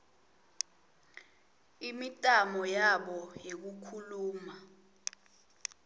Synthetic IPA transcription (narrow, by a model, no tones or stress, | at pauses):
imitʼamɔjaɓɔjek̬ukʰuluːma